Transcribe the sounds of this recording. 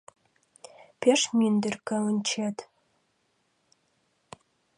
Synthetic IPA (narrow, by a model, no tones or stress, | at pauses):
pʰʲeʂmind̪ɨrkʰɐɨnt͡ʃʰet̪ʰ